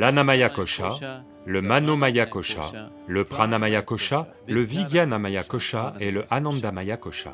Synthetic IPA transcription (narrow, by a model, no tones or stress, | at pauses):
lanamajakɔʃa | ləmanomajakɔʃa̰ | ləpχanamajakɔʃa | ləviɡjanamajakɔʃaeləʔanɑ̃d̪amajakɔʃa̰